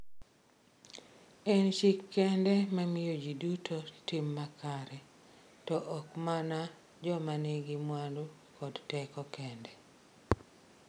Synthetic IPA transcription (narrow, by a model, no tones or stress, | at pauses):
ɛnt͡ʃɪkːɛndɛmamɪjod͡ʒidutʰotimːakaɾɛ | tɔʔɔkmana | d͡ʒɔmaneɡɪmwandu | kɔdtɛkɔkɛndɛ